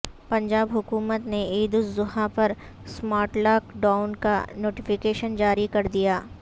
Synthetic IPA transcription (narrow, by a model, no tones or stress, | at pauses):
pɐ̃ɲd͡ʒaːbɦʊkuːmət̪neiːd̪ʊszʊhapɐɾ | smaːɾʈlaːkɖaːʊnka̰noːʈɪfɪkeːʃənd͡ʒaːɾikɐɾd̪ijaː